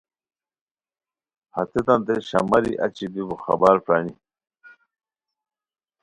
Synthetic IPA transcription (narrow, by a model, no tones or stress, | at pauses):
ha̰t̪et̪ant̪eɕɐ̰mɐɾiʔa̰t͡ɕibibuxɐ̰baːɾpɾaːni